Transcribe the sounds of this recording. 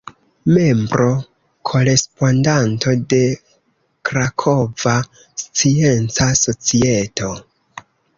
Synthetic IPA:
me̞mbɾo̞ | kʰo̞ɾe̞spo̞ndantʰo̞de̞ | kɾakʰo̞va | st͡sie̞nt͡saso̞t͡sietʰo̞

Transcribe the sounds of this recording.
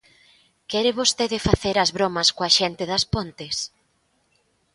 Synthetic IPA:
kɛɾɪβost̪eðɪfaθeɾɐzβɾomɐskoɐʃɛnt̪ɪðɐspont̪ɪs

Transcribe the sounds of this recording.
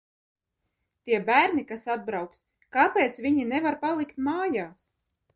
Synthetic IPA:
t̪iɛbæːɾnikasad̪̚bɾawks | kapʲeːt̪sviɲinɛvaɾpalˠikt̪maːjaːs

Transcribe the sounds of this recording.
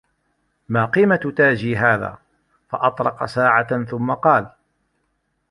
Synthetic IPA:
maːqiːmat̪ʊt̪aːd͡ʒiːɦaːða̰ː | fɑʔɑt̪ˤɾˤɑqɑ̰saːʕaθʊmːɑqɑːl

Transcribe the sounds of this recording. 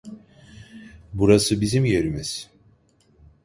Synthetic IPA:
buɾasɯbizimje̞ɾimiz̥

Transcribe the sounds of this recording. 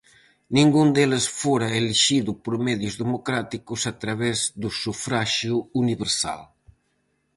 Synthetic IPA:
niŋɡund̪elesfoɾaeleʒiðupɾomɛðjuzðemokɾat̪ikusat̪ɾaβɛzd̪usufɾaʒjuuniβeɾsa̰l

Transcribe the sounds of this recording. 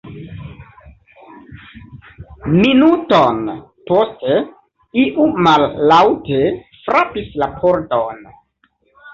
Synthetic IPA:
minuton | poste | iʔumalːawtefɾapislapʰoɾton

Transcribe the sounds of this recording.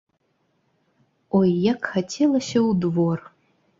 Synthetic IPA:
ojːakxatʲʰelˠɐsʲɐwd̪vor

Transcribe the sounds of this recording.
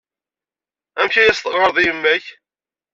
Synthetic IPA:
æmçæjæst̪ˤəʁʁəɾðˤijəmːæç

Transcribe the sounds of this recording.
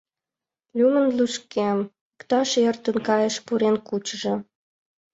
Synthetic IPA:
lʲumə̆nlyʃkem | əkt̪ɑʃert̪ə̆nkɑjə̆ʃpuɾenkut͡ɕʒĕ

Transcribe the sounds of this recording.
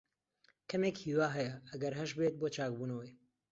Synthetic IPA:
kʰɐmeːkhiːwaːɦɛjɛɐɡɐɾɦɐʃbeːt̪̚boːt͡ʃaːk̚buːnɐwe

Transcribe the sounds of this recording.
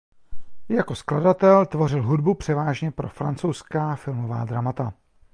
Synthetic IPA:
jako̞skladat̪ɛlt̪vo̞rɪlɦudbupr̥ɛvaːʒɲɛpɾo̞̰fɾa̰nt͡sowskaːfɪlmova̰ːd̪ɾamat̪a

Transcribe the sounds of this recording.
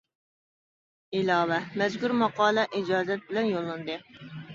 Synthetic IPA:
ɪlɑːvɛmɛzɡuɾmɑqɑːlˠɛʔid͡ʒɑːzɛt̪̚bɪlɛnjolˠːɨnd̪ɨ

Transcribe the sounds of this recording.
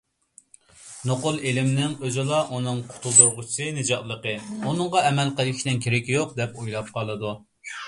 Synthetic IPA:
noqʊlˠelɪmnɪŋøzɪlˠɑʔunɨŋqʰʊ̥t̪ʰulˠd̪uɾʁʊt͡ʃʰi̥sɨnɨd͡ʒɑt̪lˠəqəunɨŋʁɑɛmɛlqəlˠɡʲiʃʲnɪnkʲʰeɾɪkʲjoq̚d̪ɛpojlˠɑp̚qʰɑlˠɨd̪u

